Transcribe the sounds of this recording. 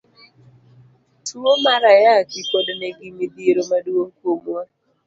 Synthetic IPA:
tʰuomaɾajaɡikodneɡimid̪iɾomaduoŋkomwa

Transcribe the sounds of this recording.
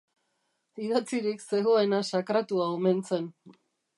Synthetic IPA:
iðat͡siɾikse̞ɣo̞e̞nasakɾat̪uaome̞nt͡se̞n

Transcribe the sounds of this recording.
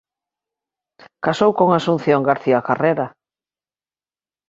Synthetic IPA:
kasowkoŋasun̟θjoŋɡaɾθiakareɾa

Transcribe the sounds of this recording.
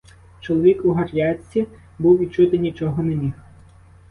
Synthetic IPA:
t͡ʃɔlˠɔʋʲikuɦɐrjɑt͡sʲːi | buwʋʲit͡ʃʊt̪ɪnʲit͡ʃɔɦɔnemʲix

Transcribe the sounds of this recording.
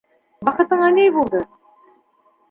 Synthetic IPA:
bɑqɤ̆t̪ɤɴɑnejbulˠd̪ɤ

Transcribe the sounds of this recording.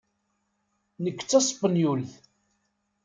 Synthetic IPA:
nəkːt͡sːɑsˤpːənjulθ

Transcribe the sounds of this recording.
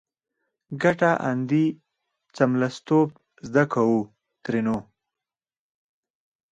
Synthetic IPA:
ɡaʈaʔa̰nd̪i | t͡samlast̪ob | zd̪akawu | t̪ɾeno

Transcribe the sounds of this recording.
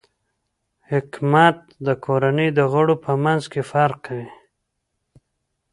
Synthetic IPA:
hɪkmat̪̚d̪əkʰoɾanəjd̪əɣəɽopʰəmanzkefaɾqʰːawi

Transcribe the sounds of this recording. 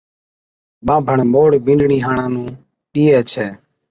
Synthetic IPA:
ɓãːbʱəɳmoːɽbĩːnɖɳiːɦãːɳãːnũː | iːɛːt͡ʃʰɛː

